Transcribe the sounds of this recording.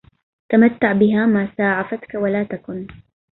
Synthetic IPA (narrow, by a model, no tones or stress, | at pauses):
t̪amat̪ːaʕbɪɦaːmaːsaːʕafat̪kawalaːt̪akʊn